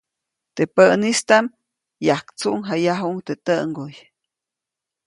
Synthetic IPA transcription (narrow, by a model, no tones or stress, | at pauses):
t̪epəʔnist̪am | jahkt͡suʔŋɦajaɦuŋt̪et̪əŋɡoj